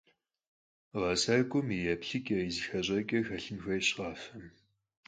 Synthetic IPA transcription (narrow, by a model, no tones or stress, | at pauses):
ʁɐsɐkʷʼʊmijɛpɬɨkʼɐizɨxɐʑʼɐkʲʼɐxɐɬɨnxʷɐjɕqaːfɐm